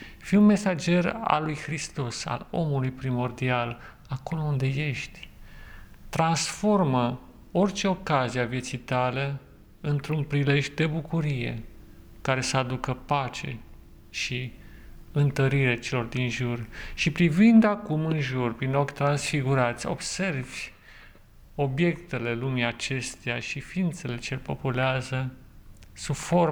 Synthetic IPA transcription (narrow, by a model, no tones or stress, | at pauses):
fiunme̞sad͡ʒe̞ra̰lːujxɾist̪o̞sa̰lo̞̰mulujpɾimo̞rd̪ial | ako̞lo̞und̪e̞je̞ʃt̪ʲ | t̪ɾansfo̞rmə | o̞rʲt͡ʃe̞o̞kaziavje̞t̪sijt̪ale | ɨnt̪ɾunpɾile̞ʒd̪e̞bukuɾije̞̰ | kaɾe̞səad̪ukəpat͡ʃe̞ | ʃi | ɨnt̪əɾiɾet͡ʃe̞lo̞rd̪inʒurʃipɾivind̪akumɨnʒurpɾinlo̞kʲt̪ɾansfiɡuɾat̪sʲo̞̰bse̞rvʲ | o̞bje̞kt̪e̞le̞lumiat͡ʃe̞st̪eaʃifiːnt̪se̞le̞t͡ʃelpo̞puleazə | sufo̞r